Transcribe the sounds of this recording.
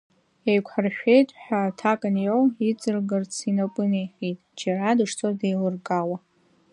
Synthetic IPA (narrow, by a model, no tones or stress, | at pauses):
ejkʷʰħarʃᶣe̞jtʼħʷᶣatʰakʼɨnjowit͡sʼɨrɡɨrt͡sʰinapʼɨnejħʲitʼd͡ʒaɾadɨʂt͡sʰʼordejlɨrɡʼawa